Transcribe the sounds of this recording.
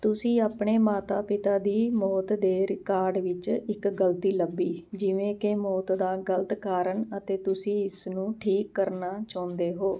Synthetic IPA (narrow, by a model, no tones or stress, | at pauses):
t̪ʊsĩːaːpɳeːmaːt̪aːpɪt̪aːd̪iːmɔːt̪d̪eːɾɪkaːɾɖʋɪt͡ʃɪkɡəlt̪iːləbːiːd͡ʒɪʋẽːkemɔːt̪d̪aːɡəlt̪kaːɾəɳət̪eːt̪ʊsĩːɪsnũːʈʰiːkːəɾnaːt͡ʃaːnd̪eːɦoː